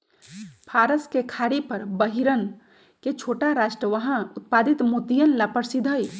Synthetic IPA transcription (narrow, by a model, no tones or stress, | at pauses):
pʰaɾəskekʰaɽipəɾbəɦiɾən | ket͡ʃʰoʈaɾaʃʈɾəʋəɦãut̪̚pad̪it̪mut̪ijənlapəɾsid̪ʱəj